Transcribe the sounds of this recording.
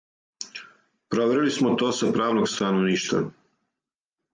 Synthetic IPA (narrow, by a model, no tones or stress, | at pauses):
pɾoʋeɾilismot̪o̞ːsapɾaːʋnoɡst̪anoʋniːʃt̪va̰